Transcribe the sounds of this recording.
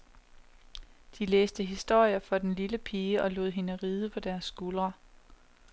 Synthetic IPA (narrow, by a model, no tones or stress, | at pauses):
d̥ileːsd̥əɦisd̥o̝ɐ̰jɐfɒ̽d̥enliləpʰiːəʔɒ̽lo̝̰ːð̰ˠɦe̝nəʁiːð̞ˠəpʰɒ̽d̥æɐsːɡ̥ulʁɐ